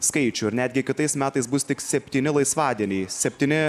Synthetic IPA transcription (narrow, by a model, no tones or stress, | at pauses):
skɐɪt͡ʃʲʊːɪɾnʲæːd̪ʲɡʲɪkʲɪt̪ɐɪsmʲæːt̪ɐɪsbʊst̪ʲɪksʲɛpʲt̪ʲiːnʲɪlˠɐɪsʋɑːd̪ʲiɛnʲɛɪsʲɛpʲt̪ʲiːnʲɪ